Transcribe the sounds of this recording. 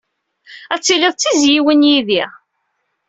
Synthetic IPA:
æt͡sːilɪðˤt͡sːizjiwənjiðiʁ

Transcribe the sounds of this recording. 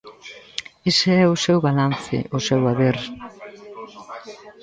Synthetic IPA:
eseɛʊsɛwβalanθɪ̰ʔʊsɛwaβeɾ

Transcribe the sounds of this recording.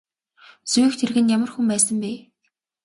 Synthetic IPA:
t͡suːxt̪ʰerɣɘ̆njamə̆rxumpæːsə̆mpeː

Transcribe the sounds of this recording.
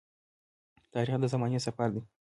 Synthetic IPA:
t̪aːɾixd̪azamaɲisapaɾd̪i

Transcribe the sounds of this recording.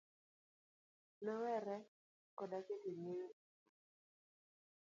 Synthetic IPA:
nɔwɛɾɛ | kɔdaketeŋeo

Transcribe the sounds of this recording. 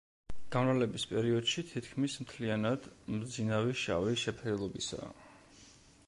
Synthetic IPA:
ɡ̥anɾalɛbispʼɛɾiɔd̪̥ʃit̪ʰit̪ʰkʰmismt̪ʰlianad̪̥md̪zinaviʃa̰viʃɛpʰɾɛlˠɔbisa̰ː

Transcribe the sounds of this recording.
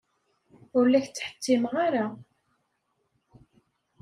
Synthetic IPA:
ʊɾlːæçt͡sːħə̥t̪ːɪmʁaɾa

